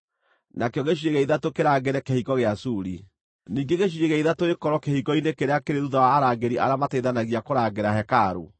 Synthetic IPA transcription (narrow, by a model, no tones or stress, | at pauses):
nakejɔɣeɕ̬eɣɛiðatokeɾaːɡeɾɛkehiɣɔɣeasuːɾi | niːŋɡeɣeʃ̬ieɣɛiðatoekɔɾɔkehiɣɔinekeɾeakeɾeɾuðawaːɾaɡeɾiʔa̰ɾamatɛiðanaɣiakoɾaɡeɾahɛkaːɾo̰